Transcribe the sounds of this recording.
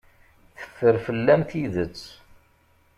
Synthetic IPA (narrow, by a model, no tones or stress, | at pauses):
θə̥fːəɾfəlːæmθiðət͡sː